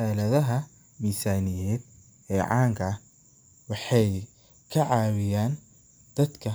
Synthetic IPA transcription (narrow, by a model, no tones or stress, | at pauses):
aːlɐðɐɦɐ | miːsaːnɪjɛːd̪̚ | ɛːʕɑ̰ːŋkʰɐ | wɑħɑj | kʰɐʕɑːwɪjaːn | d̪̥ɐd̪kʰɐ